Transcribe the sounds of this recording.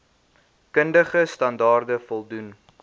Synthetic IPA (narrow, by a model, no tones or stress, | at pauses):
kəndəχəstɐndɑːrdəfɔlˠdun